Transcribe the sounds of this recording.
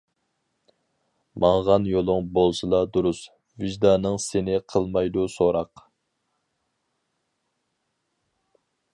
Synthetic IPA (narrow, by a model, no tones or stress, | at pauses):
mɑɴʁɑnjolˠʊŋbolˠsɨlˠɑd̪uɾus | viʒd̪ɑnɨŋsenɪqʰəlˠmɑjd̪usoɾɑq